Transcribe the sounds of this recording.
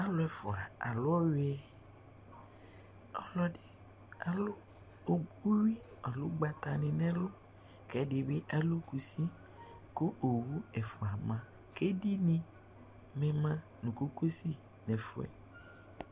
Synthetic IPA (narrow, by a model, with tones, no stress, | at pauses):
a˦lʊ˦ɛ˨fʊ˨a˨a̰˨lʊ˦ɔ˦we˦ɛ˦ | ɔ˦lɔ˦ɖɪ˦ | a˨lʊ˦ | o˦wi˦ | a˨lʊ˦ɡ͡ba˨t̪a˨nɪ̃˨nɛ̃˦lʊ˦ | kɛ˦dɪ˨be˦ʔa˦lu˦ku˨si˦ | kʊ˦o˨wu˦ɛ˨fʊ˨a˨mã˨ | ke˦di˦nĩ˦ | mɛ̃˨mã˦ | nũ˨ko˦ko˦si˦ | nɛ̃˨fʊ̰˨ɛ̰˨